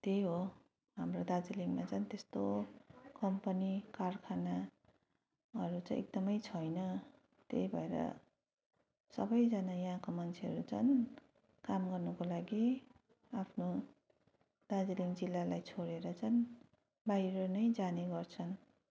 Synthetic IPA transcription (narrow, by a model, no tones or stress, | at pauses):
t̪ejɦo | ɦamrod̪ad͡ziliŋmat͡sʰʌnt̪est̪okʌmpʌnikarkʰana | ɦʌɾut͡sãj̃ʔḛk̚d̪ʌmʌjt͡sʰʌjnʌ | t̪ḛjbʱʌeɾʌ̰ | sʌbʌjd͡zanajaɦãkomant͡sʰeɦʌɾut͡sʰʌn | kamɡʌrnʌkolaɡi | apʰno | d̪̥ad͡ziliŋd͡zilːalajt͡sʰoɽeɾʌt͡sʌn | baiɾʌnʌjd͡zaneɡʌrt͡sʰʌn